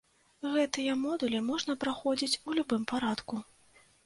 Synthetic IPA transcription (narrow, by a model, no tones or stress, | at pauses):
ɣɛt̪ɨjɛmɔd̪ulʲimɔʐnɐpɾaxɔd͡zʲit͡sʲulʲubɨmpaɾat̪ku